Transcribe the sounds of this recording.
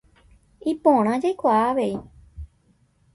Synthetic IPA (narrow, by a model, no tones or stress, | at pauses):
ipõɾ̃ãd͡ʒajkʷaaʋei